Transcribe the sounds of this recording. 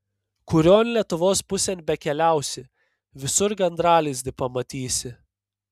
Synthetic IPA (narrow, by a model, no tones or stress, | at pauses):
kʊɾʲoːnʲlʲiɛt̪ʊʋoːspʊsʲɛnʲbʲɛkʲɛlʲæˑʊsʲɪ | ʋʲɪsʊɾɡʲɛnd̪ɾɑːlʲɪzʲd̪ʲɪpɐmɐt̪ʲiːsʲɪ